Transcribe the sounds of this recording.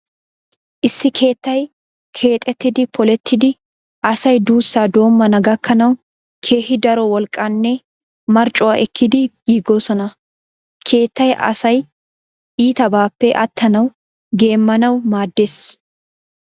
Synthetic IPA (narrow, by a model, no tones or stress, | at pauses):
ʔɪsːɪkʰe̞ːt̪ːɐj | kʰe̞ːt̪ʼɛt̪ːɪd̪ɪpʰɔlɛt̪ʰːɪd̪ɪ | ʔɐsɐjd̪uːsːaːd̪o̞ːmːɐnɐɡɐkʰːɐnɐw | kʰe̞ːhɪd̪ɐɾɔwɔlkʼːɐnːɛ | mɐɾt͡ʃʼʊwaʔɛkʰːɪd̪ɪɡ̥iːɡːɔsɔnɐ | kʰe̞ːt̪ːɐjʔɐ̰sɐj | ʔiːt̪ɐbaːpːɛʔɐt̪ʰːɐnɐw | ɡe̞ːmːɐnɐwmaːd̪ːeːs